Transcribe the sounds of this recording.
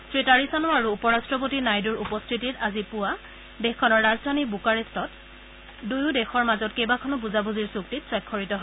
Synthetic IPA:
sɹitaɹisanɔaɹuːpɔɹastɹɔpotinajduɹupɔstʰititazipʊwa | dexkʰɔnɔɹːazdʱanibukaɹistɔt | dujʊ̃dexɔɹmazɔtkejbakʰɔnɔpuzabuziɹsuktitsɔjkʰːɔɹitɔɦɔ

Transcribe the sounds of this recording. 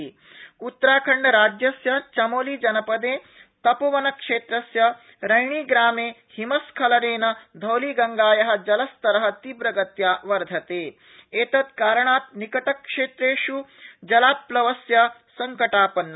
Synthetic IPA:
ut̪ːɾaːkʰɐɳːɐɾaːd͡ʒjɐsjɐt͡ʃɐmoːliːd͡ʒɐnɐpɐd̪eː | t̪ɐpɐʋɐnɐkʂeːt̪ɾɐsjɐ | ɾɐjɳiːɡɾaːmeːhimɐskʰɐlɐɾeːnɐd̪ʱɐwliːɡɐŋɡaːjɐɦɐ̆d͡ʒɐlɐst̪ɐɾɐɦɐ̆t̪ibɾɐɡɐt̪jaːʋɐɾd̪ʱɐt̪eː | eːt̪ɐt̪kaːɾɐɳaːt̪̚nikɐʈɐkʂeːt̪ɾeːʃud͡ʒɐlaːplɐʋɐsjɐsɐŋkɐʈaːpɐnːɐ

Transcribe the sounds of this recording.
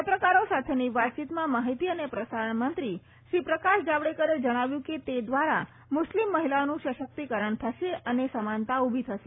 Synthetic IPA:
apɾəkaɾosat̪ʰeniʋat̪̚t͡ʃit̪mãmaɦit̪iənepɾəsaɾəɳmənt̪ɾi | ʃɾipɾəkaʃd͡ʒaʋɽekəɾed͡ʒəɽ̃aʋjũket̪ed̪ʋaɾa̰ | mʊʃlimːəɦilaonũʃəʃək̚t̪ikəɾəɳt̪ʰəʃeənesəmant̪aubʱit̪ʰəʃe

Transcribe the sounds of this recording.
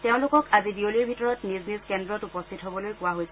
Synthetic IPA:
teʊ̃lʊkɔkazibioliɹbʱitɔɹɔtnizniskɛndɹɔtupɔstʰitɦobɔlojkʊwaɦojsɛ

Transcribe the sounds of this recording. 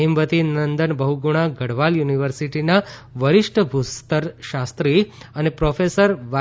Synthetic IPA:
ɦimbət̪inənd̪ənbəɦuɡuɽ̃aɡəɽʋaljuniʋəɾsiʈinaʋəɾɪʂʈəbʱust̪əɾʃast̪ɾiənepɾɔfesəɾʋa

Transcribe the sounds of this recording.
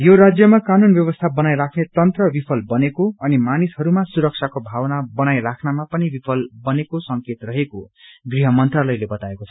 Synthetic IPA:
joɾad͡zjʌmakanunbjʌβʌst̪ʰabʌnajɾakʰnet̪ʌnt̪rʌbipʰʌlbʌnekoʌnimanishʌɾumasuɾʌk̚t͡sʰakobʱawnabʌnajrakʰnamapʌnibipʰʌlbʌnekosʌŋket̪rʌɦekoɡriɦʌmʌnt̪ralʌjlebʌt̪aekot͡sʰʌ

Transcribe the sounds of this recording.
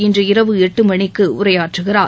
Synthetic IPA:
ɪndrɯɪɾɐʋɯɛʈːɯmɐɳɪkːɯʊ̰rɐjaːʈrɯɣɪɾaː

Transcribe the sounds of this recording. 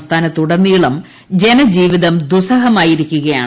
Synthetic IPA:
st̪ʰaːnɐt̪ːuɽɐnːijɭɐm | d͡ʑe̞nɐd͡ʑiːʋiðɐmd̪usɐɦɐmaːjiɾikʲːuɣɐja̰ːɳ

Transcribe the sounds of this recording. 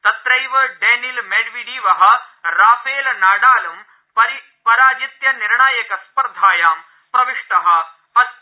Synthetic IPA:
t̪ɐt̪ɾɐjʋɐɖeːnilmeːɖʋiɖiːʋɐɦɐ̆ɾaːfʰeːlnaːɽaːlum | pɐɾi | pɐɾaːd͡ʒit̪jɐniɾɳaːjɐkɐspɐɾd̪ʱaːjaːm | pɾɐʋiʂʈɐɦɐ̆ | pɐ

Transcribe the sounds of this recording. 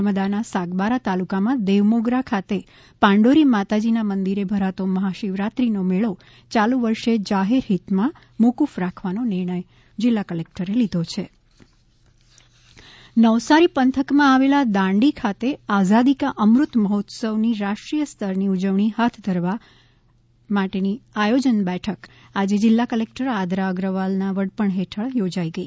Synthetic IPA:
məd̪anasaɡbaɾat̪alukamãd̪eʋmoɡɾakʰat̪e | pãɳɖoɾimat̪ad͡ʒinamənd̪iɾebʱəɾat̪oməɦaʃiʋɾat̪ɾinomeɭo | t͡ʃalũʋəɾʃed͡ʒaɦeɾɦit̪mã | mukufɾakʰʋanonɪɾɳ̃əj | d͡ʒɪlːakəlek̚ʈəɾelid̪ʱot͡ʃʰe | nəʋsaɾipənt̪ʰəkmãaʋelad̪ãɳɖikʰat̪eazad̪ikaʔəmɾʊt̪məɦɔt̪səʋniɾaʃʈɾijəst̪ʰəɾniud͡ʒəʋɳiɦat̪ʰd̪ʱəɾʋa | maʈeniajod͡ʒənbɛʈʰəkad͡ʒed͡ʒɪlːakəlek̚ʈəɾad̪ɾaəɡɾəʋalnaʋəɽpəɳɦeʈʰəɭjod͡ʒaiɡəi

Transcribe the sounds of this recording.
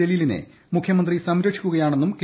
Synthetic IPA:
elilinḛ | mukʰjɐmɐnd̪risɐmɾɐkʂikʲːuɣɐjaːɳe̞nːumk

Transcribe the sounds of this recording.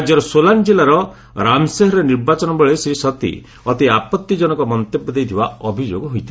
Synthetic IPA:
d͡ʒjɔɾɔsoland͡ʒelaɾɔ | ɾamseɦɔɾeniɾbat͡ʃɔnɔbɔɭesɾisɔt̪ḭ | ɔt̪iapɔt̪ːid͡ʒɔnɔkɔmɔnt̪ebːɔd̪ejt̪ʰiba̰ɔbʱid͡ʒoɡɔɦojt̪ʰi

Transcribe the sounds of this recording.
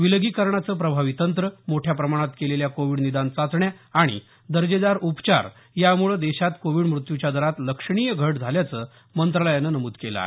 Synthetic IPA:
ʋiləɡikəɾɳat͡səːpɾəbʱaʋit̪ənt̪ɾəmoʈʰjapɾəmaɽ̃at̪keleljakoʋiɽnid̪ant͡sat͡sɳjaːɽ̃ḭ | d̪əɾd͡ʑed̪aɾupt͡ɕa̰ɾ | jamuɭəd̪eɕat̪koʋiɽmɾut̪jut͡ɕjad̪əɾat̪ləkʂɳ̃ijəɡʱəʈd͡zʱaljat͡səː | mənt̪ɾələjanːənəmuːd̪keləa̰e

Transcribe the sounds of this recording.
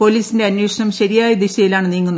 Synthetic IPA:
po̞liːsinde̞ɐnːweːʂɐɳɐmɕɐɾijaːjɐd̪iɕɐjilaːɳɨniːŋːunːɐ

